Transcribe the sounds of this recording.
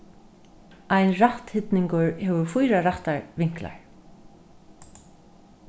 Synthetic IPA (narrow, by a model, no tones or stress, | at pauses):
ajnɾaht̪hɪt̪nɪŋkʊɹhɛːvʏɾfujɾaɾaht̪aɹvɪŋ̥kla̰ɹ̥